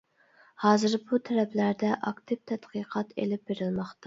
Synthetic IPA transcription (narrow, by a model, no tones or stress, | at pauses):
hɑːzɨɾbut̪ʰɛɾɛpʰlæɾd̪ɛʔɑkt̪ʰɪp̚t̪ʰɛt̪qʰɨːqʰɑt̪ʰḛlɪp̚beɾɪlmɑχt̪ɑ